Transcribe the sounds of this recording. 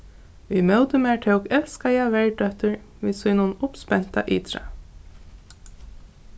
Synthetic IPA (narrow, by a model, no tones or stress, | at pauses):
vimœwt̪ʏmːɹʈ̪ʰewkɛlskajaʋɛɹdœht̪ʏɹ | ʋiːsuːnʊnʊpspɛn̥t̪a̰ʔiːt̪ʰɾa̰